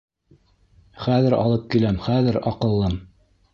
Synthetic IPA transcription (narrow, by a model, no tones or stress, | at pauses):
χæðɘɾɑ̰lˠɤp̚kilæmχæðɘɾɑqɤ̆lˠːɤm